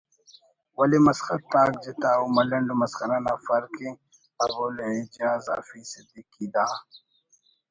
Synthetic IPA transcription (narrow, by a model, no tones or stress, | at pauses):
wɐlimɐsxɐt̪ːaːk̚d͡ʒit̪aːumɐlɐɳɖumɐskɐnanafɐɾkĩ | ɐboleed͡ʒaːza̰fisid̪ikːid̪aː